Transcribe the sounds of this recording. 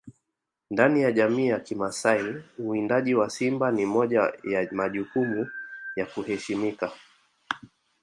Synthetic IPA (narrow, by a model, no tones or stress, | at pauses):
ndanijaʄamiːjakimasaiuindaʄiwasimbanimɔʄajamaʄukumujakuhɛʃimika